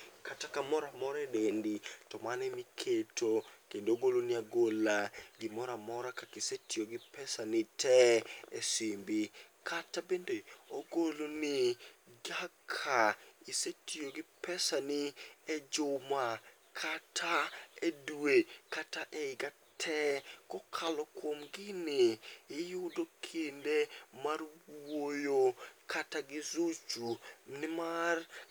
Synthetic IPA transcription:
katakamɔɾamɔɾɛdenditɔmanɛmikʰetʰokendooɡoloniaɡolaɡɪmɔɾamɔɾakakɪsetioɡɪpɛsanɪtʰɛɛsimbɪkʰatabendeoɡolonɪɡakʰaisetioɡɪpɛsanɪɛd͡ʒoma | kʰatʰaedwekataʔɛɪɡa | tʰɛkɔkʰalɔkwomɡɪnɪːjʊdokʰindemarwojokʰataɡɪzut͡ʃunɪmar

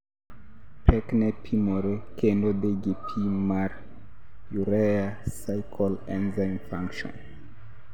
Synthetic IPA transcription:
pʰeknepʰimoɾekʰenodeɡipʰimaɾ | juɾeasajkʰolenzajnfaŋkʃo̰n

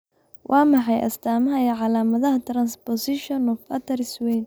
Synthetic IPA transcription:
wʔɑːmɑħɑjʔɐ̰st̪ʰaːmɐɦɐɛʕɑlaːmɐðɐɦɐt̪ʰrɐnspɔsɪʃɔnɔfɐt̪ʰɐɾɪswɛjn

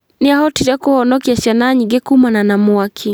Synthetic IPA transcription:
niahɔtid͡ʒakuhɔnɔkiaʃanaɲiɡɛkumananamuakʰi

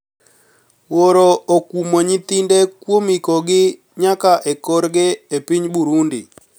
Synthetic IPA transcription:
woɾookumoɲit̪indekwomikɔɡɪ | ɲakaʔekoɾɡeepiɲbuɾundɪ

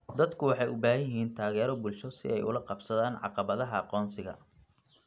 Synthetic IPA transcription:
d̪ɐd̪kʰʊwɑħɑjʊbaːɦɐjɪɦiːnt̪ʰaːɣɛːɾɔbʊlʃɔsɪ̰ɛjʊ̰lɐqɑbsɐðaːnʕɑ̰qɑβɐðɐɦɐɑqɔːnsɪɣɐ̰

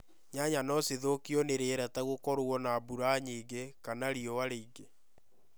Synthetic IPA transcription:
ɲaɲanɔseðokiɔneɾeɾataɣokɔɾoɔnabuɾaɲiːɡekanaɾiɔwaɾeiɡe

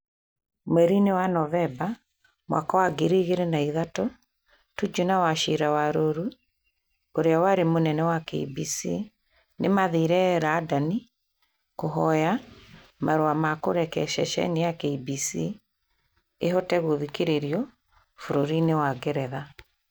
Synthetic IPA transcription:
mɛɾinewanɔvɛba | mwa̰kawaɡeɾiɣeɾenaiðato | tud͡ʒunawaʃiɾawaɾoɾu | oɾeawaɾemonɛnɛwakɛḭbisḭ | nemaðiɾɛɾaːdani | koɦɔja | maɾoamakoɾɛkɛʃɛ̰ʃɛ̰nejakɛibisi | eɦɔtɛɣoðikeɾeɾiɔ | foɾoɾinewaɡeɾɛða

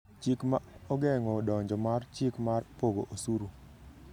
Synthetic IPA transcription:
t͡ʃikmaɔɡɛŋɔdɔɲd͡ʒɔmart͡ʃikmarpoɡoʔosuɾu

